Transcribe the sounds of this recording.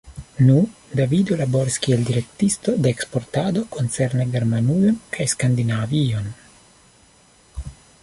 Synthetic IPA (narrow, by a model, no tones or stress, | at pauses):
nudavid̪o̞labo̞ɾiskieldiɾe̞kt̪ist̪o̞d̪eːkspo̞ɾtad̪o̞ko̞nt͡seɾneɡe̞ɾmanujo̞nkʰajskand̪inavio̞n